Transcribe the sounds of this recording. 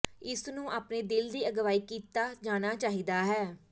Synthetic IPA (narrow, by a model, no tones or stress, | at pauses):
ɪsnũːʔaːpneːd̪ɪld̪iːəɡʋaːiːkiːt̪aːd͡ʒaːnaːt͡ʃaːɦiːd̪aːɦɛː